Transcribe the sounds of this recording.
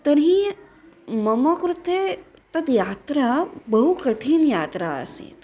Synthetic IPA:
t̪ɐɽɦĩ | mɐmɐkɾut̪e | t̪ɐd̪jaːt̪ɾabɐɦukɐʈʰiːnjaːt̪ɾaɐ̰sḭ̃t̪

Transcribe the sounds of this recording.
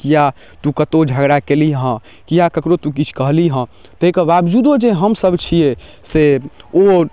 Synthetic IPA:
kija | t̪ũkət̪od͡ʒʱəɡɽakeliɦə̃ | kijakəkɾot̪ũk̬it͡ʃʰkəɦliɦə̃ | t̪əikəbabd͡ʒud̪od͡ʒeɦəmsəbt͡ʃʰije | seo

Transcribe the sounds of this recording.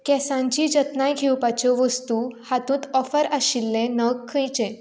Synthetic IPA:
kɛsãɲt͡ɕid͡ʑət̪najɡʱewpat͡ɕɔʋəst̪uhat̪ũːt̪ɔfəɾaɕilːẽnəkʰːə̃jt͡ɕɛ̃

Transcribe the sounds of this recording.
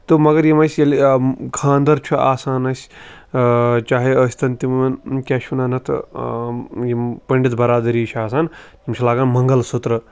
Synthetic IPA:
t̪ɨmɐɡɐɾjimɐsʲjɐlkʰãːnd̪ɐɾt͡ʃʰuaːsaːnɐsʲ | t͡ʃaːɦiəːsʲt̪ɐnt̪imɐnkʲaːʃunɐnɐt̪ʰ | jipɐɳɖit̪bɐɾaːd̪ɐɾiːt͡ʃʰaːsaːnt̪imt͡ʃʰilaːɡaːnmɐŋɡɐlsut̪ɾɨ

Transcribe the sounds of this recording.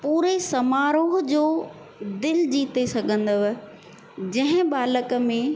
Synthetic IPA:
puːɾesɐmaːɾoːɦd͡ʑoː | d̪ɪld͡ʑiːt̪esɐɡʱə̃nd̪oʋ | d͡ʑɐ̃ɦɪ̃baːləkəmẽ

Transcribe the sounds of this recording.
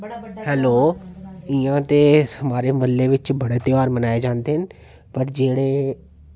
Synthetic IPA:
hɛːloː | ɪãt̪ehɐmaːɾeməlːeʋɪt͡ʃbɐɽet̪eʋaːɾmənaːed͡ʒãːnd̪eɦɪn | pɐɾd͡ʒeːɽe

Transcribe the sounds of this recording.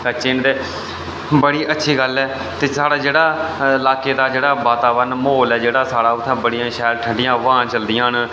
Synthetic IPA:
kət͡ʃɪnt̪eː | bəɽiːʔətːʃʰiːɡəlɛː | t̪eːsaːɽaːd͡ʒeːɽaːɪlaːkeːd̪aːd͡ʒeːɽaːʋaːt̪aːʋənmoːlɛːd͡ʒeːɽaːsaːɽaːʊt̪ʰːãːbəɽɪjãːʃɛːɾʈʰə̃ɳɖɪjãːʋããːt͡ʃəld̪ɪjãːn

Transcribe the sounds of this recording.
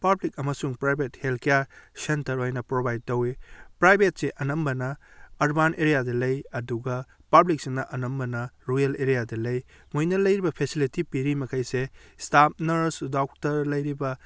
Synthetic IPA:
pɐblikɐmɐsuŋpɾajbʱethelkijaɾsentɐɾojnɐpɾobajd̚tɐwipɾajbʱet̚seʔɐnɐmbɐnɐːɾbanʔeɾijadɐlɐjɐduɡɐ | pɐblik̚senɐʔɐnɐmbɐnɐɾujɐleɾijadɐlɐj | mojnɐlɐjɾibɐpʰesilitipiɾimɐkʰɐjsestap̚nɐɾsdawk̚tɐɾlɐjɾibɐ

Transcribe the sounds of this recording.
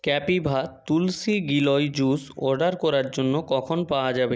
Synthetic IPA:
kɛpibʱat̪ulsiɡilɔjd͡ʑusɔ̰ɾɖaɾkɔɾaɾd͡ʑonːokɔkʰonpaoad͡ʑabe

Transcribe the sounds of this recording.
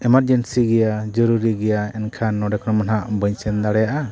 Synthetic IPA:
ɛmaɾd͡ʒɛnsiɡɛjad͡ʒɔɾuɾiɡɛjaɛnkʰanːɔɖɛkʰɔnɔmanɦaʔbəɲsɛnd̪aɽɛjaʔa

